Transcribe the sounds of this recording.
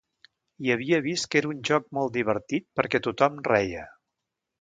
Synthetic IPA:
iəβiəβ̞ist̪̚keɾəunʲʒɔk̚mɔlˠt̪d̪iβ̞əɾt̪it̪̚pəɾkɛt̪ut̪ɔmrɛjə

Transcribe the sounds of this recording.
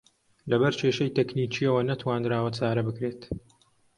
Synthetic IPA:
lɐbɐɾt͡ʃʰeːʃɐjt̪ekniːt͡ʃiɐwɐnɐt̪waːnd̪ɾaːwɐt͡saːɾɐbɨkɾeːt̪

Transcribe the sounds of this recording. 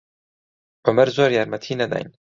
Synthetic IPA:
b̥əmɐɾzoːɾjaɾmɐt̪ʰiːnɐd̪a̰jn

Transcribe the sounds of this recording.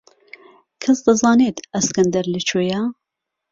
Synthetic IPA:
kʰɐsd̪ɨzɑːneːt̪ɐskɐnd̪ɐɾlɨt͡ʃʰoːja

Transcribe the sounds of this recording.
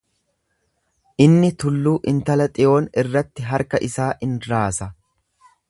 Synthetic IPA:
ʔɪnːɪt̪ʊlːuːʔɪnt̪ɐlɐt̪ʼɪʔo̞ːnɪrːɐt̪ːɪɦɐɾkɐʔɪsaːʔɪnɾaːsɐ

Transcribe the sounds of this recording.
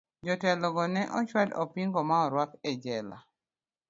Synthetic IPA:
d͡ʒɔtɛlɔɡɔnɛʔɔt͡ʃwadɔpiŋɡɔmaɔɾwakɛd͡ʒɛla̰

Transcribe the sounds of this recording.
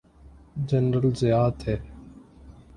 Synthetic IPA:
d͡ʒənɾəlzɪjaːt̪ʰɦeː

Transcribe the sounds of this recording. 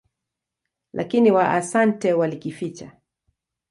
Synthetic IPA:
lʔa̰kiniwaʔasantɛwalikifit͡ʃa̰

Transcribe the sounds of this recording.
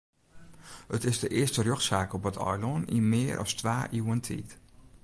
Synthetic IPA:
ɦətɪzdəʔɪːɹstərøχsaːkɔpətʰɔ̰jlɔnḭmɪːɹʔɑ̰stʋaːʔiwəntʰḭt

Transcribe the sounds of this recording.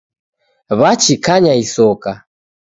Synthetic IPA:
βat͡ʃikaɲaisɔka

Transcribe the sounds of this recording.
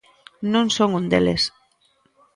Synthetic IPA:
nõŋsoŋund̪ḛlḛs

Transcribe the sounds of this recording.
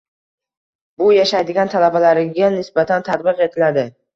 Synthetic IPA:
bʊjaʃajd̪ɪɡʲant̪ʰalabalaɾɪɡʲanɪsbat̪ʰant̪ʰat̪bɨqe̞t̪ʰɪlad̪ɪ

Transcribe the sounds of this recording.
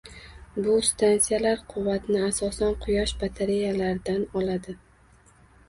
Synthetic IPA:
bʊst̪ʰansijalaɾqʰʊvːat̪nɪasɒsanqʰʊjɒʃbat̪ʰaɾejalaɾd̪anɒlad̪ɪ

